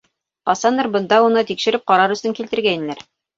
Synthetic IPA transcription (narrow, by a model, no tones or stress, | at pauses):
ɑsɑnɤɾbɤ̆nd̪ɑunɤt̪ikʃɘ̆ɾɘp̚qɑɾɑɾɵ̆st̪ɘŋkilt̪ɘ̆ɾɡæj̪̆ɘ̆læɾ